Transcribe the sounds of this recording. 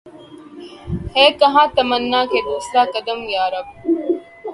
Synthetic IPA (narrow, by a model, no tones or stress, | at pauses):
heːkɐɦãːt̪ɐmənːaːkeːd̪uːsɾaːkɐd̪əmɡjaːɾɐb̚